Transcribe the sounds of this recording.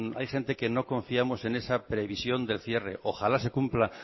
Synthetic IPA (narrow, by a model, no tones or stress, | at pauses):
a̰jxe̞nt̪e̞ke̞no̞kõ̞ɱfiamo̞se̞ne̞sapɾe̞β̞isjo̞nd̪e̞lθje̞re̞̰ʔoxalase̞kumpla